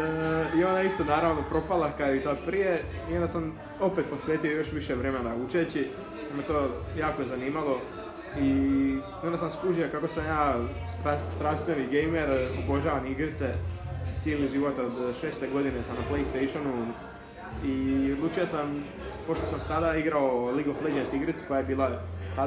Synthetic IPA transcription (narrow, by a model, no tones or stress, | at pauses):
io̞nd̪aist̪onaːɾaʋnopɾo̞palakait̪opɾijeiond̪asam | o̞pet̪̚po̞sʋʲeːt̪iojo̞ʃʋiʃeʋɾeːmead̪aut͡ʃet͡ɕi | namet̪oːjaːkojezaniːmalo̞ | i | ond̪asamskuʒiakako̞samjaː | st̪ast̪ɾaːst̪ʋeniɡejmeɾoboʒaːʋaniɡɾit̪set̪sjeːliʒiʋo̞t̪od̪ʃeːst̪eɡo̞d̪inesamnaplejst̪ejʃonu | iod̪lˠuːt͡ʃijasam | po̞ʃt̪o̞samt̪ad̪aiɡɾaoliɡofled͡ʒesiɡɾit̪su̥kojaje̞biːlˠat̪a